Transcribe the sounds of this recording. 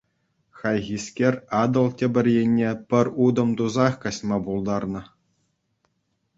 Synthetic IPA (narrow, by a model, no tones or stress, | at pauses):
xɑjɣʲisʲkʲerʲɑd̪ɤ̆lˠtʲĕbʲɘ̆rʲjenʲːepʲɘ̆rʲud̪ɤ̆mt̪uzɑχkɑsmɑbulˠd̪ɑrnɤ̆